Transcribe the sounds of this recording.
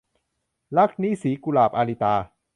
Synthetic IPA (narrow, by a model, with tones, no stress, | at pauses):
la˦˥˩k̚niː˦˥˨siː˨˩˦ku˧laː˨˩p̚ʔaː˧liː˧t̪aː˧